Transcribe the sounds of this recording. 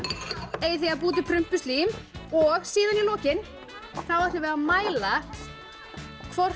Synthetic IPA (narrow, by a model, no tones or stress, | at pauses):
eːjθiap̬uːt̪̬ɪpʰɾʏm̥pʏst̪iːmɔɣsiːðanilɔːcɪn | θawḁt̪ʏvɛɾamaːjla | kʰvɔr̥